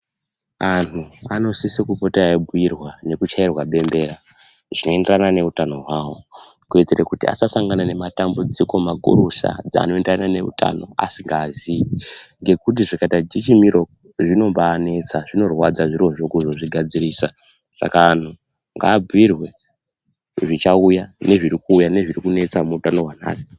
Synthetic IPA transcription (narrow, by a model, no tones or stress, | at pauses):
antʰuano̞sisikupo̞teaibʱujirwane̞kut͡ʃairwaɓe̞mbe̞ɾa | ʐ̥ino̞e̞nderanane̞utano̞ɦwaːwo̞ | kued͡zirekutia̰sasaŋɡanane̞matambud͡ziko̞makṵɾuʃa̰d͡za̰ːno̞e̞nderanane̞ṵta̰no̞̰a̰siŋɡaːziŋɡe̞kut̬iʐikatad͡ʒit͡ʃimiɾo̞ | ʐino̞mbaːne̞t͡saʐino̞rwad͡zaʐiro̞ʐo̞kuʐo̞ʐiɡʱad͡ziɾiːsa | sa̰kaːn̤o | ŋɡaːb͡vwirwe̞ | ʐit͡ʃaujane̞ʐiɾikuːjane̞ʐirikune̞t͡samuutano̞wana̰ːsi̥